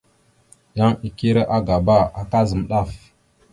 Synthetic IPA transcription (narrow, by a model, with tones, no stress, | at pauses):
ja˦ŋi˨ki˦ɾe˦ʔa˦ɡa˨ba˦a˨ka˦zə˨m˨ɗa˦˨f